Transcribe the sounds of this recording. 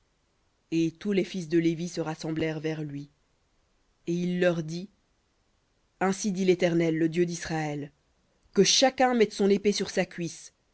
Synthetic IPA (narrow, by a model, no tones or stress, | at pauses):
et̪ulefis̬d̪əlevisəʁasɑ̃blɛʁvɛʁlɥi | eilːœʁd̪i | ɛ̃sid̪ilet̪ɛʁnɛlːəd̪jød̪isχaɛl | kəʃakʲɛ̃mɛt̪sɔ̃nepesyʁsakʲɥis